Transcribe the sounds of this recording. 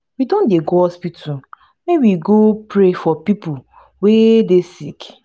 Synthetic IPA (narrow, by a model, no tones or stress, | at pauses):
widõndeɡoɔspitʰu | mewiɡopɾefɔpipʊ | wedesik